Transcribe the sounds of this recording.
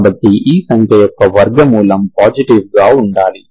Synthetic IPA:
bɐd̪ːiʔiːsɐŋkʰjɐjɔkːɐʋɐɾɡɐmuːlɐmpaːd͡ʒiʈiʋɡaːuɳɖaːli

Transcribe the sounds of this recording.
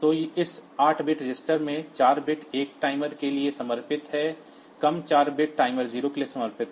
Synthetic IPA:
t̪oːɪsaːʈʰbɪʈɾɪd͡ʒɪsʈəɾmẽt͡ʃaːɾbɪʈeːk̚ʈaːɪməɾkeliesɐməɾpɪt̪ɦɛː | kɐmt͡ʃaːɾbɪʈ̚ʈaːɪməɾziːɾokeliesɐməɾpɪt̪ɦɛ

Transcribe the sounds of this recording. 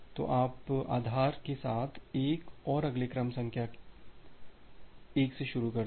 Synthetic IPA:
t̪o̰ːʔaːpa̰ːd̪ʱaːɾkesaːt̪ʰeːkɔːɾɐɡlekɾɐmsɐ̃ŋkʰja | eːkseʃʊɾukɐ

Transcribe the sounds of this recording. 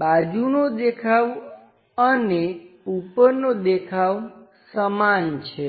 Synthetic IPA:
bad͡ʒunod̪ekʰaʋ | əneupəɾnod̪ekʰaʋ | səmant͡ʃʰe

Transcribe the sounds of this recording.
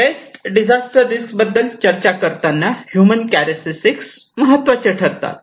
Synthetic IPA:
est̪ɖid͡ʑasʈəɾd̪iskbəd̪ːəlt͡ɕəɾt͡ɕakəɾt̪anːahjumənkæɾesisiks | məɦət̪ːʋat͡ɕeʈʰəɾt̪a̰t̪

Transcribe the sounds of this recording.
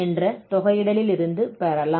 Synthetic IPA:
ɛndrɐt̪ɔɣɐjɪɽɐlɪlɪɾɯnd̪ɯpɛɾɐlaː

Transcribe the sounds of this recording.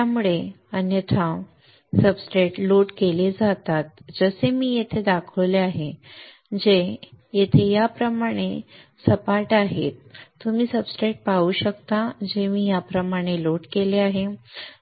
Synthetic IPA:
t̪jamuɭe | ənjət̪ʰãw | səbsɾeʈloʈkeled͡zat̪at̪̚d͡zəsemiːjet̪ʰed̪akʰəɭleaɦe | d͡ʑejet̪ʰejapɾəmaɽ̃esəpaʈaɦḛt̪ːumiːsəbskɾeʈ̚pauːɕəkt̪ad͡ʑemiːjapɾəmaɽ̃eloʈkeleaɦe

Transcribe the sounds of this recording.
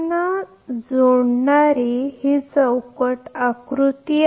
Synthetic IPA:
na | d͡zoɽɳaɾihit͡səwkəʈakɾut̪i

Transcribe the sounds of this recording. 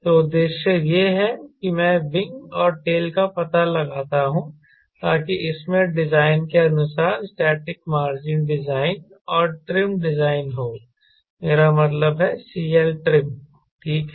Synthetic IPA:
t̪oːd̪eːʃjəjeɦɛkimɛ̃bɪ̃ŋɡɔːɾʈeːlkapɐt̪alɐɡaːt̪aɦũ | t̪aːkiʔɪsmẽɖɪzaːɪnkeɐnʊsaːɾsʈɛːʈɪkmaːɾd͡ʒɪnɖɪzaːɪn | ɔːɾʈɾɪmɖɪzaːɪnɦoː | meːɾamɐt̪ləbɦɛsiːɛlʈɾɪp̚ | ʈʰiːk

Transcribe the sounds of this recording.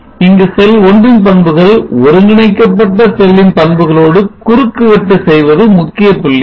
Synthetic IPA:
ɪŋɡɯsɛlɔɳɖɯnpɐɳbɯɣɐɭɔɾɯŋɡɪɳɐɪkːɐpːɐʈːɐsɛlːɪnpɐɳbɯɣɐɭoːɽɯkʊɾɯkːɯʋɛʈːɯsɛjʋɐðɯmʊkːɪjɐpːɯlːɐ

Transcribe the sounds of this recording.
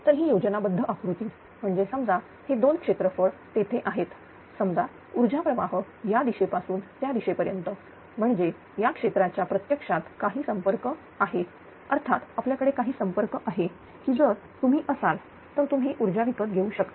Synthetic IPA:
t̪əɾɦiːjod͡ʑənabəd̪ʱːəʔakɽut̪iː | m̤əɳd͡zesəmd͡za | hed̪onkʂet̪ɾəfəɭt̪et̪ʰeʔaɦet̪ | səmd͡za | uɾd͡ʑapɾəʋaɦə | jad̪iɕepasuːnt̪jad̪iɕepəɾjənt̪ə | m̤əɳd͡ze | jakʂet̪ɾat͡ɕjapɾət̪jəkʂat̪kaɦiːsəmpəɾkə | aɦe | əɾt̪ʰat̪apljakəɽekaɦiːsəmpəɾkəʔaɦe | kiːd͡zəɾ | t̪um̤iːʔəsal | t̪əɾt̪umɦiːʔuɾd͡ʑaʋikət̪ɡʱeuɕəkt̪

